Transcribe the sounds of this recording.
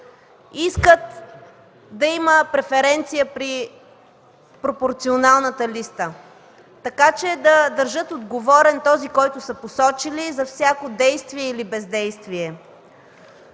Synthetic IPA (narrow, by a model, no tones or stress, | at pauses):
iskət̪ | d̪ɐiməpɾɛfɛɾɛnt̪sijəpɾi | pɾopoɾt̪sionalˠnət̪əlist̪ə | t̪ɐkat͡ʃɛd̪ɐd̪əɾʒɤt̪od̪ɡovɔɾɛnt̪ɔzikɔjt̪ʊsəposɔt͡ʃilizɐfsʲjakod̪ɛjst̪viɛilibɛzd̪ɛjst̪viɛ